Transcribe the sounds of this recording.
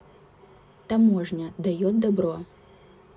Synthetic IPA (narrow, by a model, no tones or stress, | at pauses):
t̪amɔʐnʲɐd̪ajɔd̪̚d̪abɾɔ